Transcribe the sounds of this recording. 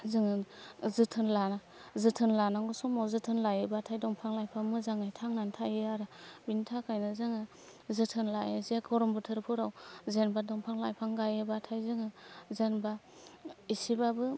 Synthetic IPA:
zɯŋɯzɯtʰɯnlana | zɯtʰɯnlanaŋɡɯsɔmawzɯtʰɯnlajɯbatʰajdɔŋpʰaŋlajpʰaŋmɯzaŋajtʰaŋnantʰajɯaɾabintʰakʰajnɯzɯŋɯ | zɯtʰɯnlajɯzkʰɔɾɔmbɯtʰɯɾpʰuɾawzenbadɔŋpʰaŋlajpʰaŋɡajɯbatʰajzɯŋɯzenba | isibabɯ

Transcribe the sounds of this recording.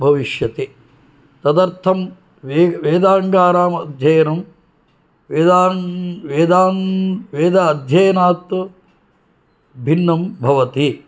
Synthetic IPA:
bʱɐʋiʃjɐt̪e | t̪ɐd̪ɐɾt̪ʰɐm | ʋeːʋeːd̪aːŋɡaːɾaːmɐd̪ʱjɐjɐnɐm | ʋeːd̪aːʋeːd̪aːnʋeːd̪ɐːd̪ʱjɐjɐnaːt̪ | bʱinːɐmbʱɐʋɐt̪i

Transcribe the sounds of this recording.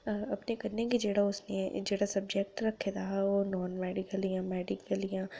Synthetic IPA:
ɐpnekɐɾnekid͡ʒeːɽaʊsned͡ʒeːɽasɐb̚d͡ʒek̚ʈɾɐkʰːed̪aɦaonɔːnmɛːɖɪkəlijãmɛːɖɪkəlijã

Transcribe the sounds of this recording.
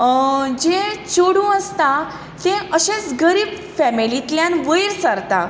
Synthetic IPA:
d͡ʑet͡ɕoɽũəst̪a | t̪ẽəɕẽt͡sɡəɾiːb | fɛmilit̪ljãnʋəjiɾsəɾt̪a

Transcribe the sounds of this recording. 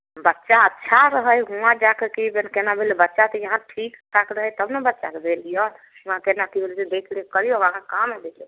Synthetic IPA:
bətːʃaətːʃʰaɾəɦəjɦuãd͡ʒakekibenkenabʱelebətːʃat̪ɔjəɦãʈʰikʈʰakɾəɦəjt̪əbnebətːʃakeb̪ʱelijɔ | uãkenakibeld͡ʒed̪ekʰlikəɾijoɡãkakamed̪ekʰli

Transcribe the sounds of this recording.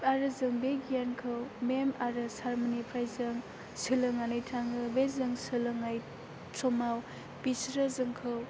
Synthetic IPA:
aɾɯzɯŋbeɡijankʰɯwmemaɾɯsaɾmonipʰɾajzɯŋ | sɯlɯŋanɯjtʰaŋɯbezɯŋsɯlɯŋaj | tʰɔmaw | pisɾɯzɯŋkʰɯw

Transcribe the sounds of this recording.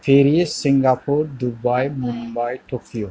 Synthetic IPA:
feɾiesiŋɡapuɾdubajmumbajt̪okʰio

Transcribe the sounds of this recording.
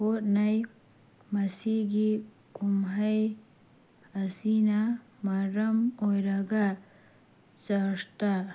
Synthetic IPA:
otnaj | masiɡi | kumɦaj | ɐsina | maɾɐmojɾaɡa | t͡saʂt̪a

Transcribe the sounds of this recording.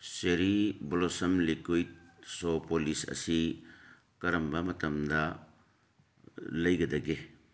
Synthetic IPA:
seɾibolosɐmlikujt̚sopolisɐ̰si | kɐɾɐmbɐmɐtɐmdɐ | lɐjɡɐdɐɡe

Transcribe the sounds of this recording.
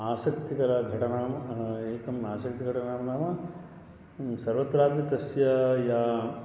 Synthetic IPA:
aːsɐkt̪ikɐɾɐɡʱɐʈɐnaːmɐeːkɐmaːsɐkt̪iɡʱɐʈɐnaːmɐnaːmɐ | sɐɾʋɐt̪ɾaːpit̪ɐsjɐjaː

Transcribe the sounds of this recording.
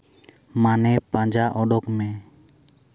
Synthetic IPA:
manɛpãd͡ʒaʔɔɖɔkmɛ

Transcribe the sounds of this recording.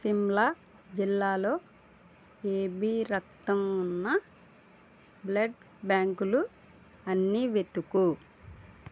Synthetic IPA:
simla | d͡ʒilːaːlo̞ː | eːbiɾɐk̚t̪ɐmunːɐ | blɐɖ | bjaːŋkulu | ɐnːiʋet̪ːuku

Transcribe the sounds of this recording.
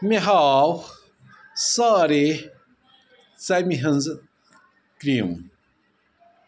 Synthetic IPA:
meɦaːw | saːɾe | t͡sɐmiɦənz | kɾiːm

